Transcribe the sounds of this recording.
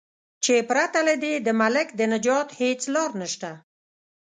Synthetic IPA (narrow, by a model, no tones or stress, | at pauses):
t͡ʃepɾat̪aled̪ed̪əmalɪkd̪ənad͡ʒɑt̪het͡slɑɾnəʃt̪a